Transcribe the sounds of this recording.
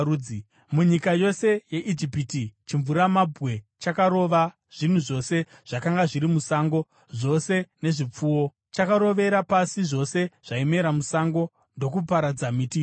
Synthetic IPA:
i | muɲikajo̞se̞je̞ʔid͡ʒipitit͡ʃiɱvuɾamabʱwe̞t͡ʃakaɾo̞ʋa | ʐ̥in̤uʐo̞se̞ | ʐ̥akaŋɡaʐiɾimusaːŋɡo̞ | ʐo̞se̞ne̞ʐip͡fuːwo̞ | t͡ʃakaɾo̞ʋe̞ɾapasiʐo̞se̞ʐ̥aime̞ɾamusaŋɡo̞ | ndo̞kupaɾad͡zamiti

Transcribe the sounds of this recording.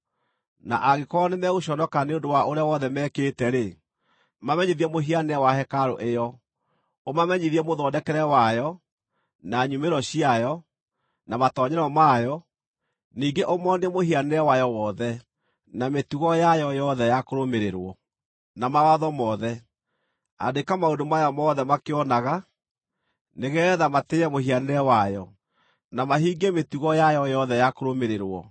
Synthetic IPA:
na̰ʔaɣekɔnemɛɣuɕɔnɔkaneondowaʔoɾeawɔðɛmɛkeːtɛɾe | mamɛɲiðiɛmoɦianeɛwahɛkaɾoʔejɔ | omamɛɲiðiɛmoðɔːdɛkɛɾɛwajɔ | naɲumeɾɔɕiajɔ | namatɔɲɛɾɔmajɔ | niːɡeʔomɔnɛmohianeɛwajɔwɔðɛ | nametuɣɔjajɔjɔðɛjakoɾomeɾeɾwɔ | namawaðɔmɔðɛ | a̰dekamaodomajamɔðɛmakeɔnaɣa | neɣɛðamateɛmoɦianeɾɛwajɔ | namaɦiːɡemetuɣɔjajɔjɔðɛjakoɾomeɾeɾwɔ̰

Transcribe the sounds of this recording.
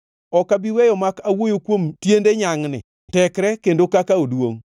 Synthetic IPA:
ɔkabiwɛjɔmakawojokwomtjendeɲaŋnɪ̰ | tɛkɾɛkendokakaodwo̰ŋ

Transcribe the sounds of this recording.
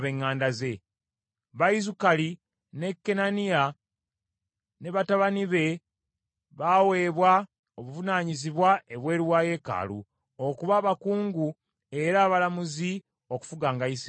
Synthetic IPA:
βe̞ŋːaːndaze̞ | βaizukali | ne̞kːe̞nanija | ne̞βataβaniβe̞ | βawe̞ːβwa | oβuvunaːɲiziβwae̞βwe̞ːɾiwaːje̞ːka̰ːlṵ | okuβaːβakuːŋɡu | e̞ɾaːβalamuzi | o̞ku̥fuɡaːŋɡais

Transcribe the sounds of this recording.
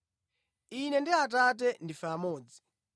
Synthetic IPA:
inɛndiat̬at̬ɛndifaːmɔːd͡zi

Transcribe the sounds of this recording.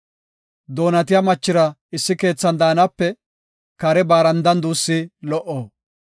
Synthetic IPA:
d̪o̞ːnɐt̪ɪjɐmɐt͡ʃːɪɾɐɪsːɪke̞ːt͡sːɐnd̪aːnɐpːɛ | kɐɾɛbaːɾɐnd̪ɐnd̪uːsːɪlɔʔːoː

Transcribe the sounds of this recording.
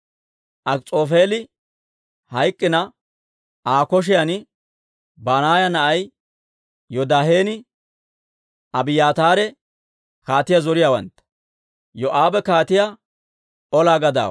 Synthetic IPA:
ʔɐkt͡sʼoːfe̞ːlɪ | hɐjkʼːɪnɐ | ʔaːkɔʃ̬ɪjɐnɪ | baːnaːjɐnɐʔɐj | jɔd̪aːɦeːnɪ | ʔɐbɪjaːt̪aːɾɛ | kaːt̪ɪjazɔɾɪjawɐ̰nt̪ːɐ̥ | jɔʔaːbɛkaːt̪ɪja | ʔɔlaːɡɐd̪a̰ː

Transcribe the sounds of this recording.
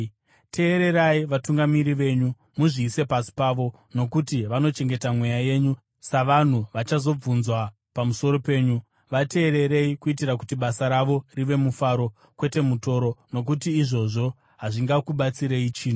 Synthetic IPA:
tʰe̞ːɾe̞ɾaiʋatuŋɡamiɾiʋe̞ɲu | muʐiːse̞pasi̥paʋo̞ | no̞kutiʋano̞t͡ʃe̞ŋɡe̞tamwejaje̞ɲu | saʋan̤uʋat͡ʃazo̞b͡vunzwa | pamuso̞ɾo̞pe̞ːɲu | ʋate̞ːɾe̞ɾe̞ikuit̬irak̬utiɓasaɾaʋo̞riʋe̞mufaɾo̞ | kwe̞te̞muto̞ɾo̞no̞k̬utiːʐo̞ʐo̞ | ɦaʐiŋɡakuɓat͡siɾe̞it͡ʃiːn̤o

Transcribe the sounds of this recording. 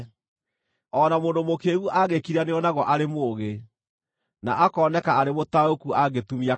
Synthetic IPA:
ɔːnamoːndomokeːɣuʔaɣekiɾaneɔnaɣɔʔaɾemoːɣe | na̰ʔakɔːnɛkaaɾemotaokuaɡetumia

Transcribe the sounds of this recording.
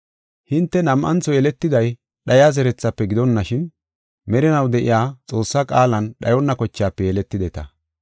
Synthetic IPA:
hɪnt̪ːɛnɐmʔɐnt͡sɔjɛlɛt̪ːɪd̪ɐj | ɗɐjaːzɛɾɛt͡sːɐpːɛɡɪd̪ɔnːɐʃɪn | mɛɾɪnɐwd̪ɛʔɪ̰jaːt͡sʼo̞ːsːakʼaːlɐnɗɐjɔnːɐkɔt͡ʃːɪjaːpːɛjɛlɛt̪ːɪd̪ɛt̪ɐ

